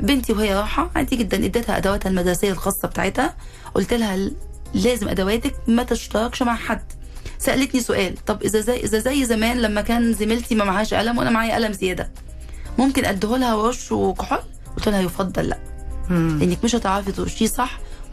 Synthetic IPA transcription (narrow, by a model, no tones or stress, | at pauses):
bent̪iwhejːæɾˤɑːħɑʕa̰nd̪iɡed̪ːænʔed̪ːet̪hæʔæ̰d̪æwæːt̪hælmæd̪ɾˤɑsejːælxɑːsˤːɑbe̥t̪a̰ʕet̪hæ | ʔo̰lt̪elhæ | læːzemʔæ̰d̪æwæːt̪æk̚mæt̪eʃt̪ɑɾˤɑkʃmaʕħad̪ː | sæʔælet̪nisoʔæːlt̪ˤɑbʔezæzæʔezæzæjːzæmæːnlæmːækæːnzemelt̪imæmaʕæːʃʔæ̰læmwʔænæmaʕaːjæʔæ̰læmzejæːd̪æ | momkenʔæd̪ːholhæwɾoʃwkoħolː | ʔolt̪elhæjofɑd̪ˤːɑlːæ̰ʔ | ʔenːekmeʃhæt̪ʕɾˤɑfed̪ˤʃiːsˤɑħː